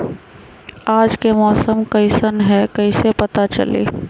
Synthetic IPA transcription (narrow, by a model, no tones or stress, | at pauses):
aːd͡ʒkemɔːsəmkɐɪsənɦɛkɐɪsepɐt̪at͡ʃɐ̰lḛː